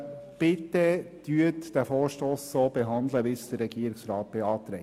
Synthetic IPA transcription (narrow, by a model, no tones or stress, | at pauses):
b̥ɪt̪əd̪̥yːətd̪̥æfoːʃtoːsːoːb̥eɦɑnd̪ləʋɪsd̥̪əɾːɛɡiːɾɪksɾɑːt̪̚b̥eɑːt̪ɾɛ